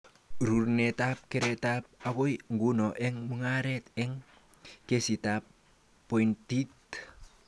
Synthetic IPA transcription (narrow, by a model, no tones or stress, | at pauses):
ɾurnetap̚keɾetap̚aɡojŋɡunoʔeŋmuŋaɾeteŋ | kesitapː | ojntit̚